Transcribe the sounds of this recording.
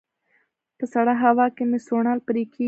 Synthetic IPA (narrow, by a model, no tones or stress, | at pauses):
pəsaɽaɦawɑkemesoɳalpəɾikʰi